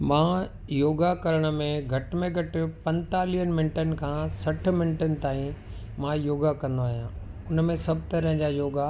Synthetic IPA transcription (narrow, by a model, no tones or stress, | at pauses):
mãː | joːɡakɐɾəɽ̃ə̆mẽɡʱɐʈɪmẽɡʱɐʈɪpɐ̃nt̪aːlijənɪmɪnʈənɪ̆kʰãsɐʈ̆ʰmɪnʈənɪ̆t̪aːĩ | mãjoːɡakɐ̃nd̪oaːɦijãːʊnmẽsɐbʱt̪ɐɾəɦɪ̃d͡ʑaːjoːɡa